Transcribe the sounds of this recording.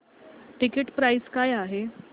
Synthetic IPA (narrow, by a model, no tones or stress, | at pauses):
ʈikeʈpɾajskajaɦe